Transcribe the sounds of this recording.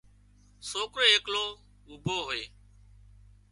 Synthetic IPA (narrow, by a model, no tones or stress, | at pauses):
soːkɾeːeːkloː | ʊbʱoːɦoeː